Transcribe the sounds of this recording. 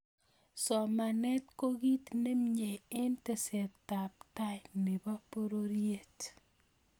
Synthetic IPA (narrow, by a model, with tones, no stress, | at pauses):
sɔ˨ma˨nɛ˦tko˦ɡi˦tne˦mɲe˨ɪ˦nte˨sɛ˨tta˨p̚ta˦jnɪ˨ba˦po˦ɾo˦ɾje˦˨t